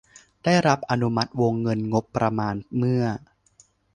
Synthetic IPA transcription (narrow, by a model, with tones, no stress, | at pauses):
d̥aː˥˩jɾa˦˥p̚ʔa˧nu˦ma˦˥t̪̚wo˧ŋːɤ˧nŋo˦˥pːɾa˧maː˧nmɯ˥˩ɐ